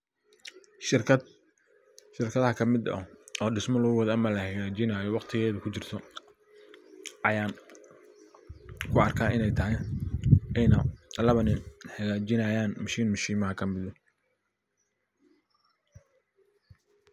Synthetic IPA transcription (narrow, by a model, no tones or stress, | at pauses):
ʃɪrkʰɐðɐɦɐkʰɐmɪdɐ̰ɔːɖɪsmɔlɐɣʊwɔðɐmɐlɐhɛɣaːt͡ʃɪnaːjɔwɑqt̪ʰɪɣɛːðʊkʰʊt͡ʃɪrt̪ʰɔ | ʔɐjaːn | kʰʊɑrkʰaːʔɪnɛjt̪ʰɐɦɛj | ɛjnɐlɐβɐnɪnħɐɣaːt͡ʃɪnɐjaːnmɐʃiːnmɐʃiːmɐɦɐkʰɐmɪðɔ